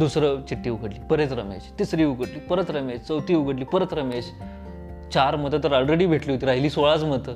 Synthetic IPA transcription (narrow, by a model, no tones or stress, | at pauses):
d̪usɾət͡ɕiʈːiːuɡʱəɽliːpəɾet͡s̪ɾəmḛɕt̪isɾiːuɡəʈliːpəɾət̪ɾəmeɕt͡səwt̪iːuɡəɽliːpəɾət̪ɾəmeɕ | t͡ɕaɾmət̪ət̪̬əɾɔlɾeɽiːbʱeʈliːɦot̪iɾaɦiliːsoɭat͡smət̪ə